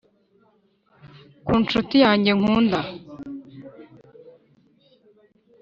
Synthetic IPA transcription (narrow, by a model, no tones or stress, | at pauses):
kuːnt͡ʃutijaːɲɟeŋ̥uːnda